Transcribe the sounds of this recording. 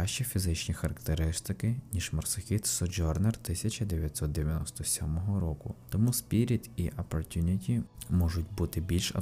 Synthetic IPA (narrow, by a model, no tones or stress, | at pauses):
aʃt͡ʃifʲizɪt͡ʃnʲixɐɾɐkt̪eɾɪst̪ɪkɪnʲiʒ̥mɔrsexʲit̪sɔd͡ʒɔrnert̪ɪsʲɐt͡ʃɐd̪eʋʲjɐt̪sɔt̪̚d̪eʋʲjɐnɔst̪ɔsʲɔmɔɦɔɾɔkʊt̪ɔmuspʲiɾʲid̪iʔɐpɔrt̪ʲunʲitʲimɔʒʊtʲbut̪ɪbʲilʲʃɐ̰